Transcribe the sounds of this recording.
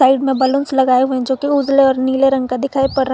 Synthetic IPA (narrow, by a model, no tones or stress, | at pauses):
aːɪɖmẽbɐlʊ̃nslɐɡaːeɦuẽɛ̃d͡ʒoːkiud͡ʒleɔːɾniːleɾɐ̃ŋɡkad̪ɪkʰaːepɐɽɾə